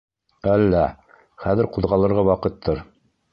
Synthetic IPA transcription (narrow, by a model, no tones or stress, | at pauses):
ælːæ | χæðɘɾquðʁɑlˠɤ̆ɾʁɑwɑqɤt̪ʰːɤɾ